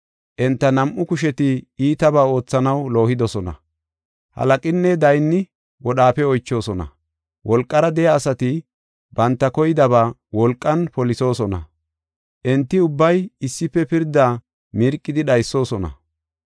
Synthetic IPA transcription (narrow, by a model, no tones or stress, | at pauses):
ʔɛnt̪ːɐnɐmʔʊkʊʃ̬ɛt̪ɪiːt̪ɐbaːo̞ːt͡sːɐnɐwlo̞ːhɪd̪ɔsɔnɐ̰ | hɐ̰lɐkʼɪnːɛd̪ɐjnːɪ | wɔɗaːpɛɔjt͡ʃːo̞ːsɔnɐ̰ | wɔlkʼːɐɾɐd̪ɛjɐːsɐt̪ɪ | bɐnt̪ːɐkɔjɪd̪ɐβaː | wɔlkʼːɐnpɔlɪso̞ːsɔnɐ̰ | ʔɛnt̪ːɪʊbːɐjɪsːɪpːɛpɪɾd̪aː | mɪɾkʼːɪd̪ɪɗɐjsːo̞ːsɔnɐ̰